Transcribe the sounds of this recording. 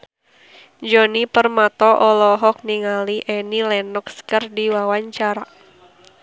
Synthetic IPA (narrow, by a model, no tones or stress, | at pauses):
d͡ʒɔnipərmat̪ɔʔɔlɔɦɔk̚niŋaliʔɛnilɛnɔkskərdiwawaɲt͡ʃaɾa